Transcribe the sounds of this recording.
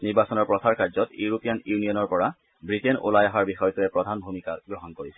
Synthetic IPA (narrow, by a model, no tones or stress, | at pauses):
niɹbasɔnɔɹpɹɔsʰaɹkaɹzɔtjuɹopijanjunijɔnɔɹpɔɹa | bɹitenʔo̰lajaɦaɹbixɔjɔtuɛpɹɔdʱanbʱumika̰ɡɹɔɦɔnkoɹisɛ